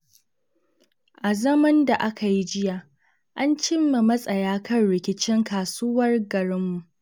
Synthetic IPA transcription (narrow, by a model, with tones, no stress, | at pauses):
ʔa˨zɐ˦mɐ˦nda˨ʔa˦ka˨ji˦d͡ʒɪ˦jaː˨ | ʔa˦nt͡ʃɪ˦mːa˨mɐ˦sʼɐ˨jaː˦kʰɐ˦nɽɪ˨kʲɪ˦t͡ʃɪ˦ŋkaː˨suː˦wɐ˦rɡɐ˨ɽɪ˦mːu˨ʔ